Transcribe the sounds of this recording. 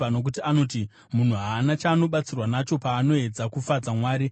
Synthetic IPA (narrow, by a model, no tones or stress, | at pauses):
ano̞k̬utianot̬i | mun̤uɦaːnat͡ʃaːno̞ɓat͡sirwanat͡ʃo̞paːno̞e̞d͡zakufad͡zamwaːɾi